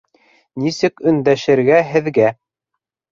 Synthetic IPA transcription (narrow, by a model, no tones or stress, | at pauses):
nisɘkɵ̆nd̪æʃɘ̆ɾɡæɦɘ̆ðɡæ